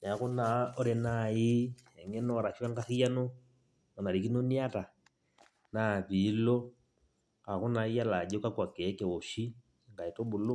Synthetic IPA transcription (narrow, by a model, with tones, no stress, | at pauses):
n˨a˨ko˦na˨o˦ɾe˨na˨i˦ɛ˨ŋɛ˦nɔ˨ɾa˨ʃa˦ŋɡa˦θi˦ja˦no˦ | ɔ˨na˨ɾi˨ki˦no˦ni˦a˦ta˨ | na˨βi˨˦lɔ˦ | a˨ko˦na˨˦i˦a˦la˨ɟo˦ka˦kwa˨kɛ˨˦kɛ˨o˨ʃi˦ | ŋɡa˨i˨to˦ɓu˨lo˦